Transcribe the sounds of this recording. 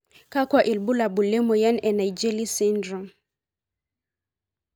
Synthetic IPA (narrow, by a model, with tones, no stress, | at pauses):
ka˦kwa˨ʔi˨lbu˦la˨bu˨lɛ˦mɔ˨ja˦nɛ˨na˨id͡ʒɛ˦li˦si˦ndɾɔ˨